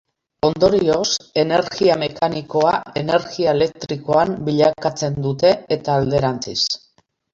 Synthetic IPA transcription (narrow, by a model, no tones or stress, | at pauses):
o̞nd̪o̞ɾio̞se̞ne̞ɾɣiame̞kaniko̞ae̞ne̞ɾɣiaele̞k̚t̪ɾiko̞ambiʎakat͡se̞nd̪ut̪e̞ːt̪aːld̪e̞ɾant͡sis